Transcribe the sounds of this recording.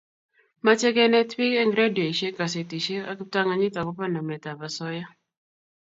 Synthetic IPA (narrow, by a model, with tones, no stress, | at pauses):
ma˦t͡ʃɛ˦kɛ˦nɛ˦twi˦kɛ˦ŋɡɾe˦djo˨i˨ʃe˦ka˨s̬e˨ti˨ʃe˦a˦kɪ˦p̚ta˦ŋa˨ɲɪ˦ta˨kɔ˦pa˦na˨mɛ˨ta˨ba˨sɔ˦ja˦